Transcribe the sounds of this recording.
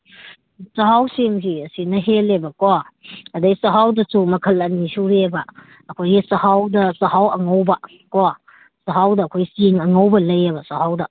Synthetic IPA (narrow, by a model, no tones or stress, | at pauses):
sɐɦawseŋsʰiɐsinɐɦelebɐkwaɐdɐjsɐɦawdɐsumɐkʰɐlɐnisuɾebɐ | ɐkʰojɡisɐhawdɐsɐɦawɐŋowbɐ | kwa | sɐɦawdɐːkʰojsiŋɐŋowbɐlɐjɐbɐsɐɦawdɐ